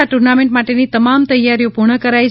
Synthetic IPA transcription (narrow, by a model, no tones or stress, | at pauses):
aʈuɾnamẽɳʈmaʈenit̪əmamt̪əjːaɾijopuɾɳəkəɾaj